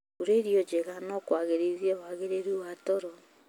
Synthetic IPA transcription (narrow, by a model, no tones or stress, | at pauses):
uɾeɾijod͡ʒeɣanɔkwaɣeɾiðiɛwaɣeɾeɾuwatɔɾɔ